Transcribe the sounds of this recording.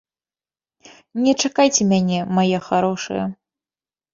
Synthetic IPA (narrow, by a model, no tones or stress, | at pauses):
nʲɛt͡ʂakajt͡sʲɛmʲanʲɛmajɛxaɾɔʂɨ̰jɛ̰